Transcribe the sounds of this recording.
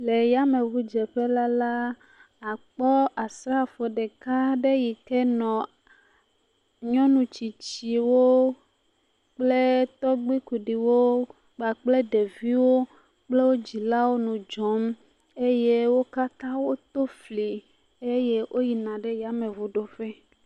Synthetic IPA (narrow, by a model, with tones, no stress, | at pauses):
le˨ja˦mẽ˨vu˦d͡ʒɛ˨ɸe˦la˦la˦ | a˨k͡pɔ˦a˨sɾa˦fo˨ɖe˨ka˦ɖe˦ji˨kɛ˦nɔ̃˨ | ɲɔ̃˦nũ˨t͡ɕi˨t͡ɕi˨wo˦ | k͡ple˦t̪ɔ˦ɡ͡bi˦ku˨ɖi˨wo˦ | k͡pa˨k͡ple˦ɖe˨vi˦wo˦ | k͡ple˦wo˦d͡ʑi˨la˦wo˦nũ˨d͡ʒɔ˦m | e˦je˦wo˦ka˦t̪ã˦wo˦t̪o˦fli˨ | e˦je˦ʔo˦ji˨nã˨ɖe˦ja˨mẽ˨vu˦ɖo˦ɸɛ˦